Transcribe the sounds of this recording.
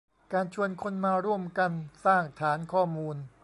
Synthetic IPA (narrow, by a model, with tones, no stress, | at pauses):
kaː˧nt͡ɕʰu˧ənkʰo˧nmaː˧ɾu˧˥˩əmka˧nsaː˥˩ŋt̪ʰaː˩˦˥nkʰɔː˥˩muː˧n